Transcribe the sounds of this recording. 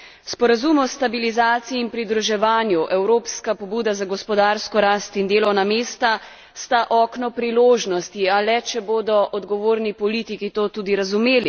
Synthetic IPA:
spɔɾazumɔst̪abilizaːt̪siiːnpɾid̪ɾuʒɛʋaːnjuʔɛwɾoːpskapɔbuːd̪azaɡɔspɔd̪aːɾskɔɾaːst̪ind̪eːlɔwnameːst̪a | st̪aʔɔːknɔpɾiloːʒnɔst̪ialɛt͡ʃɛboːd̪ɔʔɔd̪ɡɔʋoːɾnipɔliːt̪ikit̪oːt̪uːd̪iɾazumeːli

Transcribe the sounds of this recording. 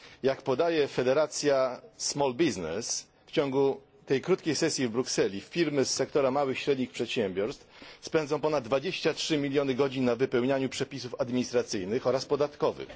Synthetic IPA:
jakpɔd̪ajɛfɛd̪ɛɾat̪sʲjasmɔlbʲiznɛ̰s | ft͡ɕɔŋɡu | t̪ɛjkɾut̪̚kʲejsɛsʲjivbɾuksɛlʲifʲiɾmɘsːɛk̚t̪ɔɾamawɘxɕɾɛd̪ɲixpʂɛt̪ɕɛmʲbʲɔɾst̪fspɛnd̪zɔ̃w̃pɔnad̪d̪ːvad͡ʑeɕt͡ɕatʂɘmʲilʲjɔnɘɡɔd͡ʑinːavɘpɛwɲaɲupʂɛpʲisufad̪mʲiɲist̪ɾat̪sɘjnɘxɔɾaspɔd̪at̪kɔvɘ̰x

